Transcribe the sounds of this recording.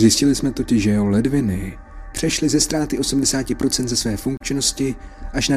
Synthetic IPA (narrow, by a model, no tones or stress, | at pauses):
zjɪscɪlɪsmɛt̪o̞cɪʒʒɛjɛɦolɛdvɪnɪ | pr̝̥ɛʃlɪzɛst̪ɾaːt̪ɪʔo̞sumdɛsaːcɪpɾo̞t͡sɛnt̪zɛsvɛːfuŋk̚t͡ʃɪno̞scɪʔaʃna